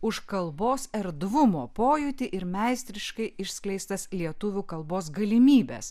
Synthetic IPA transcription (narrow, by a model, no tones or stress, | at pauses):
ʊʃkɐlˠboːsɛɾd̪ʋʊmoːpoːjʊt̪ʲɪʔɪɾmʲɛɪsʲt̪ʲɾʲɪʃkɐɪɪʃʲsʲklʲɛɪst̪ɐslʲiɛt̪ʊʋʲuːkɐlˠboːs̬ɡɐlʲɪmʲiːbʲḛːs